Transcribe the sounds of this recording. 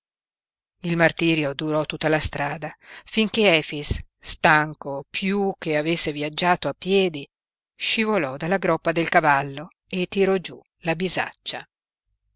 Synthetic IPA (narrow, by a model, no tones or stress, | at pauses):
ilmart̪iːɾjod̪uɾɔt̪ːut̪ːalast̪ɾaːd̪afiŋkeɛːfisː | t̪aŋkopʰjuk̟eavesːeviad͡ʒːaːt̪oapːjɛːd̪i | ʃivolɔd̪alːaɡɾɔpːad̪elkavalːo | et̪ːiɾɔd͡ʒu | labiza̰t͡ʃːa